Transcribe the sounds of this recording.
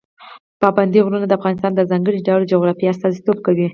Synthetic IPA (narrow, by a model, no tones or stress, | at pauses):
pɑband̪iɣɾunad̪əafɣɑnɪst̪ɑnd̪əzɑŋɡəɽiɖawld͡ʒʊɣɾɑfias̬t̪ɑzit̪ob̚kawi